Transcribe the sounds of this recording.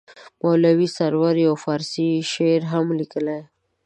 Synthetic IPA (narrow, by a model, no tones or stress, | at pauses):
mɑlawisaɾwaɾjawfɑɾsiʃeɾɦamlikəlaj